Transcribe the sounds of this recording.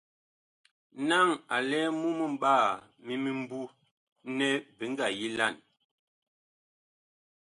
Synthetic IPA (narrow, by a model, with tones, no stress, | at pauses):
na˦˨ŋa˨lɛ˦mu˦mə˦m̩˦ɓaː˦˨mi˦mi˦m̩˦bu˦ | nɛ˦bi˨˦ŋ˦ɡa˨ji˦la˦˨n